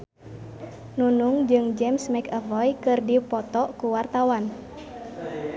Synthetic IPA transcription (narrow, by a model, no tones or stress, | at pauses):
nunuŋd͡ʒɨŋd͡ʒɛmsmɛkəvɔjkɨrdipɔt̪ɔkuwart̪awan